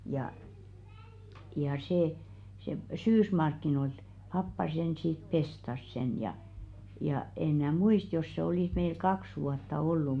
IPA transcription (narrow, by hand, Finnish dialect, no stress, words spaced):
jɑ jɑ seˑ se syːsmɑrkːinoilt pɑpːɑ sen sit pestɑs sen jɑ jɑ en mnæː muist jos se oliˑs meil kɑks ʋuɑtːɑ olːu